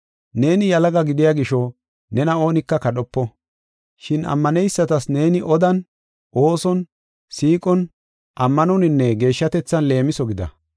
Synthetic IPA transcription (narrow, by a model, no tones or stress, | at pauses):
ne̞ːnɪjɐlɐɡɐɡɪd̪ɪjaɡɪʃɔ | nɛnɐo̞ːnɪkːɐkɐɗɔpːɔ | ʃɪnɐ̰mːɐnɛjsːɐt̪ɐsne̞ːnɪʔɔd̪ɐn | ʔo̞ːsɔn | siːkʼɔn | ʔɐmːɐnɔnɪnːɛɡe̞ːʃːɐt̪ɛt͡sːɐnle̞ːmɪsɔɡɪd̪ɐ̰